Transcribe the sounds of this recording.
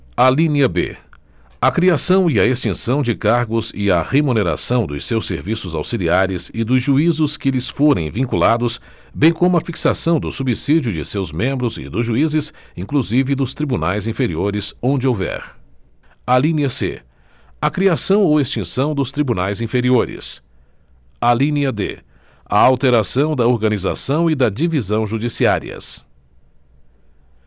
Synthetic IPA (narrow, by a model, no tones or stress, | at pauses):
alĩnɐbḛ | ɐkɾiasɐ̃w̃ɪɐest͡ʃĩsɐ̃w̃d͡ʒɪkaɾɡʊzɪɐhemuneɾa̰sɐ̃w̃d̪ʊ̰sewsḛɾvisʊza̰wsiliaɾɪzɪd̪ʊzʒuizʊskɪlɪsfoɾẽj̃vĩkulad̪ʊs | bẽj̃kõmʊɐfiksasɐ̃w̃d̪ʊsubisid͡ʒʊd͡ʒɪ̰sewzmẽmbɾʊzɪ̰d̪ʊzʒuizɪsĩŋkluzivɪd̪ʊst̪ɾibuna̰jzĩfeɾioɾɪzõnd͡ʒɪowvɛ̰ɾ | alĩniɐsḛ | ɐkɾiasɐ̃w̃owest͡ʃĩsɐ̃w̃d̪ʊst̪ɾibunajzĩfeɾioɾɪ̰s | alĩnɐd̪ḛ | a̰awt̪eɾasɐ̃w̃d̪ɐoɾɡɐniza̰sɐ̃w̃ɪd̪ɐd͡ʒivizɐ̃w̃ʒud͡ʒisiaɾḭɐ̰s